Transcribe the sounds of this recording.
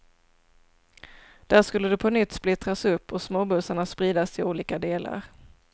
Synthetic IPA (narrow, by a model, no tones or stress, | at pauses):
d̪̥æːʂkɵlːəd̪ɵpʰɔnʏt̪ːsplɪt̪ɾasɵpːɔsmoːbɵsaɳaspɾiːd̪asɪuːliːkad̪eːla̰ɾ